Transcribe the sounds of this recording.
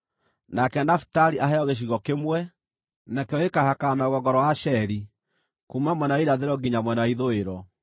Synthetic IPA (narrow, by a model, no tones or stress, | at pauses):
nakɛnafi̥taɾiʔaɦɛɔɣeɕ̬iɣɔkemwɛ | nakeɔekahakanaɣwɔɡɔɾɔwaʃɛɾi | kumamwɛnawiɾaðeɾɔɡiɲamwɛnaaiðoeɾɔ